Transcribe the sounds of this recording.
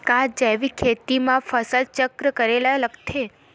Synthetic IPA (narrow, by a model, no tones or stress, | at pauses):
kãd͡ʒaʋikʰet̪imãfəsəlt͡ʃəkɾəkəɾelaləɡt̪ʰe